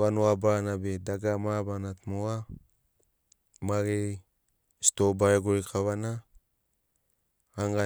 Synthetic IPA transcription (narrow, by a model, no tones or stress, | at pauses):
anoabanabedaɡamabanatmoa | maɾe | stobaeɡojkʰaβana | aŋɡa